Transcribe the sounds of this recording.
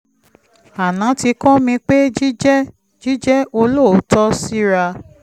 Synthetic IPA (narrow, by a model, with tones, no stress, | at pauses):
a˨nã˨˦ti˧kɔ̃˦mĩ˧k͡pe˦d͡ʒi˦d͡ʒɛ˦ | d͡ʒi˦d͡ʒɛ˦ʔo˧lo˦˨˦tɔ˦si˦ɾa˧